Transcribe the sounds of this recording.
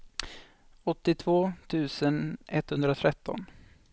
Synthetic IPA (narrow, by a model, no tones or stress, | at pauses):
ɔt̪ːɪt̪ʰvoːt̪ʰʉ̟ːsənɛt̪hɵnd̪ɾat̪ʰɾɛt̪ːɔ̰n